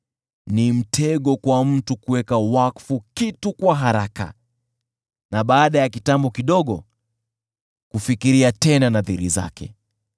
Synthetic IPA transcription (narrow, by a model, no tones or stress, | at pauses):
nim̩tʰɛɠɔkwam̩tukuwɛkawakfukitukwaɦaɾaka̰ | naɓaːɗajakitambɔkiɗɔɠɔ | kufikiɾiatɛnanaðiɾḭza̰kɛ̰